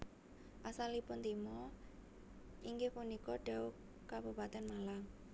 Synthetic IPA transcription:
ʔasalipʊnt̪imɔ | ʔiŋɡehpunikɔɖ̥au | kabupat̪ɛnmalam

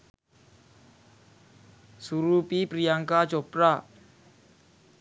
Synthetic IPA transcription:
suɾupipɾijaŋkḁd͡ʒopɾa

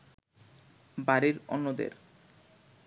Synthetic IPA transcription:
baɾeɾɔ̰nːod̪ḛɾ

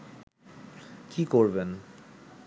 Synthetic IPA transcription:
kikoɾben

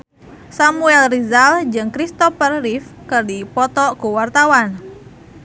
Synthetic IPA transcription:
samuɛlrizald͡ʒɨŋkɾist̪ɔfərːifkɨrdipɔt̪ɔkuwart̪awan

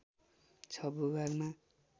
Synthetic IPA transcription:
t͡sʰʌbuɡarma

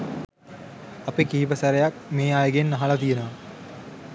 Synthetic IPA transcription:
ɐpikiːbɐsɐɾejak̚meːajɡenːɐɦalɐt̪̬ijenɐʋ

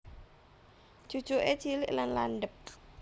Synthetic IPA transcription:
t͡ʃu̥t͡ʃuʔe̥t͡ʃilɪʔlanla̰nɖəp̚

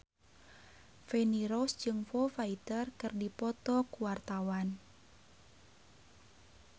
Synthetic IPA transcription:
fɛniɾɔsd͡ʒɨŋfɔfait̪ərkɨrdipɔt̪ɔkuwart̪awan

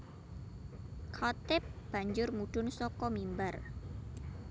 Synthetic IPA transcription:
kʰɔt̪ɪp̚b̥a̤ɲd͡ʒʊrmuɖ̥ʊnsɔkɔmimbar

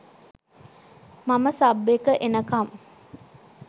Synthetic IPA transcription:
maməsabːekəʔenəkam

